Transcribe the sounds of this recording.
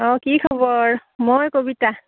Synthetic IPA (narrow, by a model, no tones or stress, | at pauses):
ɔkikʰɔbɔɹmojkobita